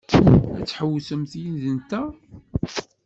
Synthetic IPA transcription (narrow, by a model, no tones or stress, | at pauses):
æt͡sːħəwːsəmθjinðənt̪æ